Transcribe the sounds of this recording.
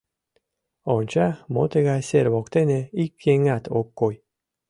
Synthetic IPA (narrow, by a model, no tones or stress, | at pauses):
ont͡ɕamot̪eɣasʲeɾβokt̪eneikːeŋat̪ʰokːoj